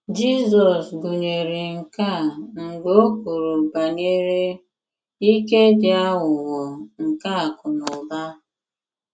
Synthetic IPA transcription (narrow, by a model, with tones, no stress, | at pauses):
d͡ʒi˦zɔ˨sbu˨ɲe˨ɾɪ˨ŋ̩˨ka˦˨ŋ͡m̩˨ɡ͡bo˦o˦ku˨ɾo˨ba˨ɲe˦ɾe˦ | i˦ke˦d͡ʒɪ˦a˦wʊ˨wɔ˨ŋ̩˨ka˦a˨kʊ˨nʊ˨ba˦